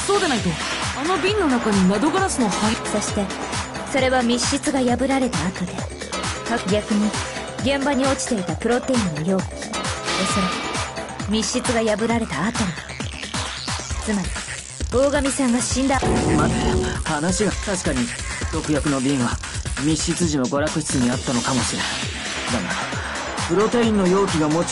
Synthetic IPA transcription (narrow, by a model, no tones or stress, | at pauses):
so̞ːd̪enait̪o | ano̞bʲĩnːo̞nakaɲ̟inad̪o̞ɡaɾasɨno̞haso̞ɕi̥t̪e̞ | so̞ɾe̞βamʲiɕːit͡sɨɡajabɯ̟ɾaɾe̞t̪aːt̪o̞d̪e̞ | kakɯ̟ɡʲakɯ̟ɲ̟i | ɡẽ̞mbaɲ̟io̞t͡ɕi̥t̪e̞it̪apɯ̟ɾo̞t̪e̞ĩnːojo̞ːk | oso̞ɾa | mʲiɕːit͡sɨɡajabɯ̟ɾaɾe̞t̪aːt̪o̞n | t͡sɨmaɾʲi | o̞ːɡamʲisãŋɡaɕĩnd̪amat̪aahanaɕiɡat̪aɕi̥kaɲ̟i | t̪o̞kɯ̟jakɯ̟no̞bʲĩːɰ̃βa | mʲiɕit͡sɨʑino̞ɡo̞ɾakɯ̟ɕi̥t͡sɨɲ̟iat̪ːano̞kamo̞ɕiɾena | d̪anaɾ | pɯ̟ɾo̞t̪e̞ĩnːo̞jo̞ːkʲiɡamo̞